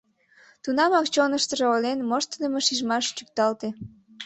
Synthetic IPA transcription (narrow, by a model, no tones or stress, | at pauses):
t̪unɑmɑkt͡ɕonəʃt̪əʒeolenmoʃt̪əd̪əməʃiʒmɑʃt͡ɕyk̚t̪ɑlt̪e